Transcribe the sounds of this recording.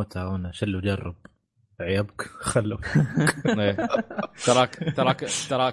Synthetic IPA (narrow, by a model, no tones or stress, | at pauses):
t̪ʰaʊnaʃɪlːud͡ʒɑrˤːɑb̚ | ʕjabkxalːu | eːt̪ɑɾˤɑːkt̪ɑɾˤɑkt̪ɑɾˤɑː